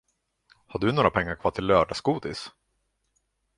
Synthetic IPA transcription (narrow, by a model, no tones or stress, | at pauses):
haɖɵnoːɾapʰɛŋːaɾkʰvɑːʈʰɪllːœːɖaskuːd̪ɪs